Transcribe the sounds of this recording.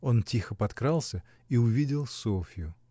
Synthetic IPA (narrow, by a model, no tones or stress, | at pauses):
o̞ntʲixəpɐt̪kɾalˠsʲə | iʊvʲidʲɪlˠsofʲɪjʊ